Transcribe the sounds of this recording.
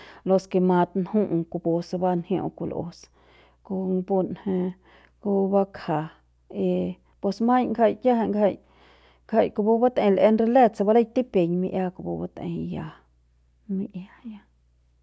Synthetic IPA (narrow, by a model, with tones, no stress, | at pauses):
lo˧ske˧ma˧t̪nhu˦ʔku˧bo˧sba˦nhjõ̰˧ku˧lʔo̰˧s | ko˧ŋbo˧nhe˧ | ku˧˦ba˦kʰa˨ | e˧ | pwe˧sma˦jŋɡa˧jkʲja˦ha˧ŋɡa˧j | ɡa˧jko˧bo˧ba˦t̪e˧lʔe˧nɾe˧le˦t͡sa˧ba˦la˦jt̪i˦pe˨ɲmḭ˧ʔja˦ku˧bo̰˧ba˧t̪ḛ˧ja˧ | mi˧ʔja˦ja˧